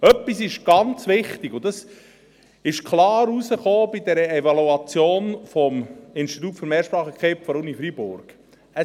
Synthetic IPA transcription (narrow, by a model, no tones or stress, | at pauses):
œpːisɪʃɡ̥ɑnt͡sʋɪχt̪ɪɡ̥ʊd̥̪ɑs | ɪʃkʰlɑːɾusəχoːb̥id̪ɛɾəɛvɑluɑt͡sjoːnfɔmɪnstit̪̬uːtføɾmɛːɾʃpɾɑːχəkʰχepfɔɾunifɾibʊɾɡ̥ | ə